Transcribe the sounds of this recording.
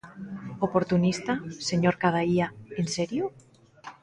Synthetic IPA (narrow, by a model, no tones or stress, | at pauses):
opoɾt̪unist̪aseɲoɾkaðaiaenseɾju